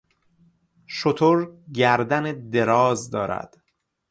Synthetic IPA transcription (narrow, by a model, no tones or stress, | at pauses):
ʃot̪ʰoɾɟæɾd̪æned̪eɾɒːzd̪ɒːɾæ̰d̪̥